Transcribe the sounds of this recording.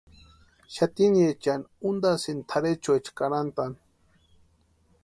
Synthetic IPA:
ʃat̪inet͡ʃanund̪asint̪ʰaɾet͡ʃoet͡ʃkaɾant̪an

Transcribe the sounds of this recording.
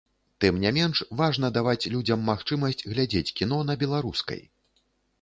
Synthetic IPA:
t̪ɨmnʲɛmʲɛnʂvaʐn̪ɐd̪avat͡sʲlʲud͡zʲɐmːaxt͡ʂɨmɐsʲt͡sʲɣlʲad͡zʲet͡sʲkʲin̪ɔn̪ɐbʲɛlˠaɾuskɐ̰j

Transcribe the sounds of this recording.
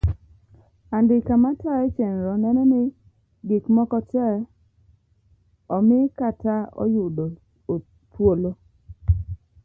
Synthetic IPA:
andɪkamataet͡ʃenɾɔnɛnɛnɪ | ɡɪkmɔkɔt͡ʃɛ | ɔmɪkataɔ̰jʊdo | o | pwolo

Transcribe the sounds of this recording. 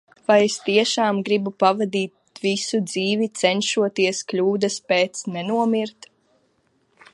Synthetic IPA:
vajest̪iɛʃaːmɡɾibupavad̪iːt̪̚ | visud̪ziːvit̪sɛnʃuɔt̪iɛsklʲuːd̪ɐspɛːt̪snɛnuɔmiɾt̪

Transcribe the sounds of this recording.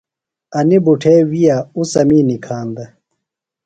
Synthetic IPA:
ɐnibuʈʰeːwijausɐmiːnikʰaːnd̪ɐ

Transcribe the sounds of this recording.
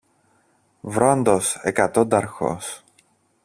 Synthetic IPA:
vɾond̪osḛkɐt̪od̪ɐɾxo̰s

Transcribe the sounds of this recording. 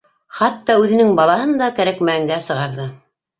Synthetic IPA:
χɑt̪ːɑʉðɘ̆nɘŋbɑlˠɑɦɤnd̪ɑkæɾækmæɘ̆ŋɡæsɤ̆ʁɑɾðɤ

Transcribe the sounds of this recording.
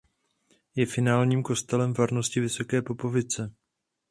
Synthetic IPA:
jɛfɪnaːlɲiːmko̞st̪ɛlɛmvaɾno̞scɪvɪso̞kɛːpo̞po̞vɪt͡sɛ

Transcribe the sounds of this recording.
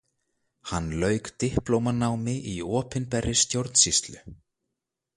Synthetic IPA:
hanːlœːɥkt̪ɪhplowmanaːwmɪʔiɔːpɪnpɛrːɪ̥st̪jowɾt̪n̥sist̪lʏ̰

